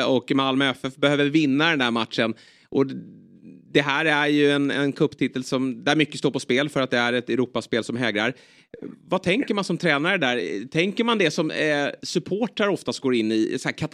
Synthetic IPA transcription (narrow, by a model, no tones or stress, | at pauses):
ɔkmalmœɛfɛfbɛhøːvəɾvɪnːad̪ɛndæːɾmat̪ʂən | ʔɔ | d̪ɛɦæːɾæɾjɵɛnɛ̰nkʰɵpːt̪ʰɪt̪ːəlsɔmd̪æɾmʏkːəst̪oːɾpʰɔspeːlfœɾat̪̚d̪ɛæɾɛt̪ɛɾuːpaspeːlsɔmɦɛːɡɾaɾ | vat̪ʰɛŋkəɾmansɔmt̪ʰɾɛːnaɾəd̪æɾt̪ʰɛŋkəɾmand̪ɛsɔmsɵpʰoːʈaɾɔft̪ast̪̚ɡoːɾɪnːɪsæːkʰat̪